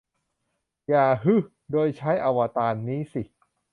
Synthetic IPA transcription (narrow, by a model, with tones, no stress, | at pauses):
jaː˨˩ɦɯ˦˥˩ | doː˧jt͡ɕʰa˦˥jʔa˧wa˧t̪aː˧nːiː˦˥si˨˩